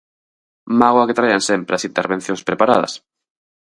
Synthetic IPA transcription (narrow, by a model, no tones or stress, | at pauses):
maɣwaket̪ɾajansempɾeasint̪eɾβen̟θjoŋspɾepaɾa̰ð̞ɐ̰s